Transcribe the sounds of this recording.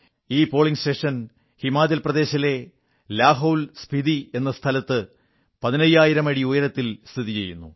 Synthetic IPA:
iːpo̞ːɭiŋsʈe̞ːʂɐn | himaːd͡ʑɐlprɐðe̞ːɕɐle̞ | laːɦɐwlspid̪ie̞nːɐst̪ʰɐlɐt̪ːɨ | pɐðinɐjːaːjiɾɐmɐɽiojɐɾɐt̪ːilst̪ʰiðit͡ɕe̞jːunːṵ

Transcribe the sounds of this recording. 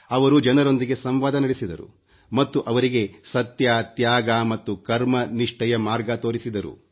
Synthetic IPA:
ɐʋɐɾud͡ʒɐnɐɾo̞nd̪iɡe̞sɐmʋaːd̪ɐnɐɽisid̪ɐɾṵ | mɐt̪ːuʔɐʋɐɾiɡe̞sɐt̪jat̪jaːɡaːmɐt̪ːukɐɾmɐniʂʈɐjɐmaːɾɡɐt̪oːɾisid̪ɐɾṵ

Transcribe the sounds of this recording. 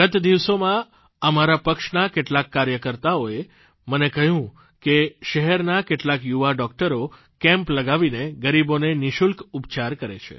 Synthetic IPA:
ɡət̪d̪iʋsomã | əmaɾapəkʃnakeʈlakːaɾjəkəɾt̪aoe | mənekəɦjũ | keʃəɦɛɾnakeʈlakjuʋaɖɔk̚ʈəɾo | kɛ̃mpləɡaʋineɡəɾiboneniʃulkupt͡ʃaɾkəɾḛt͡ʃʰḛ

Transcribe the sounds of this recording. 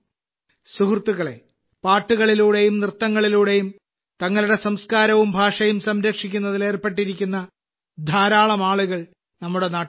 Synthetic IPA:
suɦrt̪ːuɣɐɭe̞̰ | paːʈːuɣɐɭiluːɽe̞jumnrɨt̪ːɐŋːɐɭiluːɽe̞jum | t̪ɐŋːɐluɽe̞sɐmskaːɾɐʋumbʱaːʂɐjumsɐmɾɐkʂikʲːunːɐðile̞ːrpe̞ʈːiɾikʲːunːɐ | d̪ʱaːɾaːɭɐmaːɭuɣɐɭ | nɐmːuɽe̞naː

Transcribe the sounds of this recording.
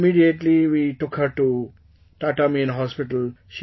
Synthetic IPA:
miɖieʈliʋiʈʊkhəɾʈu | ʈaʈəmiɪ̃nɦɔspiʈəlʃ

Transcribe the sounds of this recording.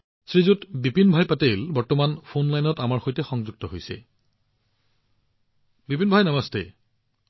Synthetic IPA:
sɹizutbipinbʱajpatejlbɔɹtɔmanpʰonlajnɔtamaɹxojtɛxɔŋzuɡ̚tɔɦojsɛ̰ | bipinbʱajnamɔstḛ

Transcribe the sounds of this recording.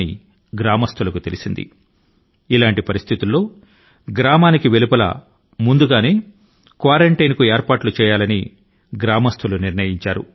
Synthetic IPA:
ḭ | ɡɾaːmɐst̪ʰulɐkut̪e̞lisind̪ḭ | ilaːɳʈipɐɾist̪ʰit̪ulːo̞ː | ɡɾaːmaːnikiʋelupɐlɐ̰ | mund̪uɡaːne̞ː | kʋaːɾeɳʈɐjnkueːɾpaːʈlut͡ʃɛːjaːlɐni | ɡɾaːmɐst̪ʰuluniɾnɐjiɲt͡ʃaːɾṵ

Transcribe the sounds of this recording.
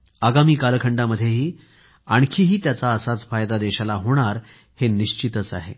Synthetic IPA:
aɡamiːkalkʰəɳɖaməd̪ʱːjeɦiː | aɳ̃kʰiːɦiːt̪jat͡saəsat͡sfajd̪ad̪eɕalaɦoɽ̃aɾ | heniɕt͡ɕit̪ət͡sa̰ɦḛ

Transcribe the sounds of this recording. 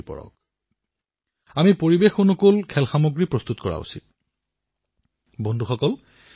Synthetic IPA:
pɔ̰ɹɔ̰k̚ | amipoɹibexonokolkʰɛlxamoɡɹipɹɔst̪utkɔɹa̰ṵsḭt̚ | bondʱuxɔkɔl

